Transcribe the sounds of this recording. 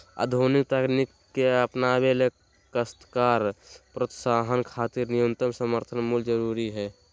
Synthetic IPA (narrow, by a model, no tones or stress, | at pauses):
ə̰d̪ʱonikt̪əknikːeəpnabele | kəst̪kaɾpɾət̪saːɦənkʰaːt̪iɾnijənt̪əmsəməɾt̪ʰənmuld͡ʒəɾuɾiɦɛ